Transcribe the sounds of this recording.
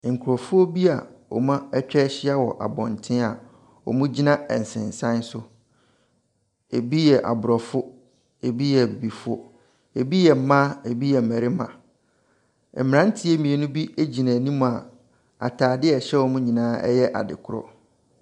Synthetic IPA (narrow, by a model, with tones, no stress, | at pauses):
ŋ̩˨kʰʊ˨ɾɔ˨fʊ˦o˦bi˦a̰˨wɔ̰˨mã˦t͡ɕᶣɛ˦ɕɪ˦a˦wɔ˨ʔa̰˨bɔ̰̃˨ntʰɪ̃˦a˨ | ɔ̰˨mũ˦d͡ʑi˦nã˦ɛ̰˨n̩˨sɪ̰̃˨n˨sã˦n̩˦sʊ˦ | e˨bi˦jɛ˨ʔa̰˨bʊ˨ɾɔ˨fʊ˦ | e˨bi˦jɛ˨bi˨bi˨fʊ˦ | e˨bi˦jɛ˨m̩˦mã˦e˨bi˦jɛ˨m̩˨mæ˨ɾɪ˦mã̰˨ | ɛ˨mɪ˨ɾã˦n̩˦tʰɪ˦e˦mĩ˨e˨nʊ̃˦bi˦e˦d͡ʑi˨næ̃˨nĩ˦mũ˨a˨ | a̰˨tʰaː˨dɪ˦ɛ˨ɕɛ˦wɔ˨mũ˦ɲĩ˨nãː˨˦ɛ̰˦jɛ˦ʔa̰˨dɪ̰˨kʰʊ˦˨ɾɔ̰˨